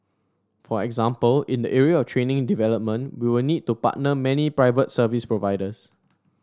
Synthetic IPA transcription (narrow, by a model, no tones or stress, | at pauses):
fɔɛɡzãmpəlĩndəʔɛɹiəɔftʰɹẽnɪ̃ŋdivɛləp̚mə̃nwiwɪlnid̚tːupa̰t̚nəmɛnipɹaɪvətsəvispɹovaɪdəs